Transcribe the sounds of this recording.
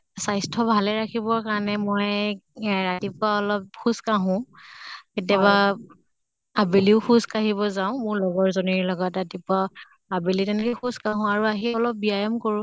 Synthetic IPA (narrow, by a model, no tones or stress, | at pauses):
sajstʰɔbʱalɛɹakʰibɔɹkaɹnɛmɔj | ɹatipʊaɔlɔp̚xuskaɦʊ̃ | ketijaβa | abeliʊxuskaɦibɔzaʊ̃mʊɹlɔɡɔɹzoniɹlɔɡɔtːatipʊa | abelitɛnkɛxuskaɦʊ̃aɹuaɦiɔlɔp̚biajɔmkoɹʊ̃